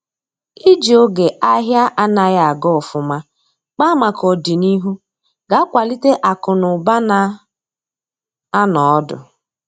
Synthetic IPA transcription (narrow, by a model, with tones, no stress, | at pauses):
i˦d͡ʒi˨o˦ɡe˨ʔa˦ɦja˦ʔa˦na˨ɣja˦˨a˨ɡɔ˦˨fʊ˨ma˦ | k͡pa˦ma˨kɔ˨di˨ni˦ɦu˦ | ɡa˨˦kʷa˨li˦te˦ʔa˨kʊ˨nʊ˨ba˦na˨ | a˦nɔ˨ɔ˦dʊ̰˨